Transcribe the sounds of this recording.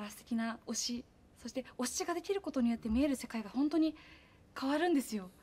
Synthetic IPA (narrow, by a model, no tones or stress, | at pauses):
ɾast̪ekʲinao̞ɕi | so̞ɕi̥t̪e̞o̞ɕi̥t͡ɕiɡad̪e̞kʲiɾɯ̟ko̞t̪o̞ɲ̟ijo̞t̪ːe̞mʲieɾɯ̟se̞kaiɡahõ̞nt̪o̞ɲ̟i | kʰaβaɾɯ̟̃nd̪e̞sɨjo̞